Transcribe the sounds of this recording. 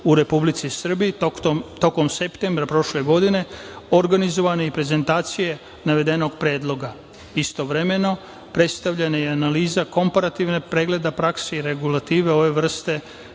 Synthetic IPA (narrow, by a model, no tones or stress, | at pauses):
uɾe̞publit̪sisr̩bijit̪o̞ko̞mse̞pt̪embɾapɾo̞ʃle̞ɡo̞d̪ine̞o̞ɾɡanizo̞ʋane̞ipɾe̞ze̞nt̪aːt̪sije̞ | naʋe̞d̪e̞no̞ɡ̚pɾe̞ːd̪lˠo̞ɡa | ist̪o̞ʋɾe̞me̞no̞ | pɾe̞t̪st̪aʋʎenajeanaliːzako̞mpaɾat̪iʋne̞pɾe̞ːɡle̞d̪apɾakseiɾe̞ɡulat̪iːʋe̞o̞ʋe̞ʋr̩st̪e̞